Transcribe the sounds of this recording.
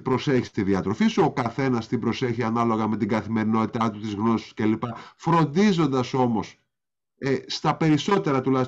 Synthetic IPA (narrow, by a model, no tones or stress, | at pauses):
bɾo̞se̞çi̥st̪iðiɐt̪ɾo̞fiso̞kɐθe̞nɐst̪ibɾo̞se̞çiɐnɐlo̞ɣɐme̞t̪iɡɐθime̞ɾino̞t̪i̥t̪ɐt̪ut̪izɣno̞si̥scelipɐfɾo̞nd̪izo̞nd̪ɐso̞mo̞s | est̪ɐpe̞ɾiso̞t̪eɾɐt̪ulɐçi